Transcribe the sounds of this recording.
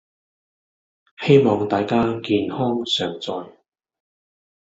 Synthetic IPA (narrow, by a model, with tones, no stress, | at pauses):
he˥jmɔː˨ŋt̪aː˨jkaː˥kiː˨nhɔː˥ŋsœː˨ŋt͡sɔː˨˧j